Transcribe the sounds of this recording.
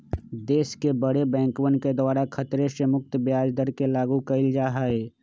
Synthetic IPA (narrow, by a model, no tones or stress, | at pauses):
d̪eːskebəɽebɛ̃ːŋkwənked̪ʊaːɾakʰət̪ɾeʃemʊk̚t̪bjaːd͡ʒd̪əɾkelaːɡukəɪld͡ʒaːɦaːeː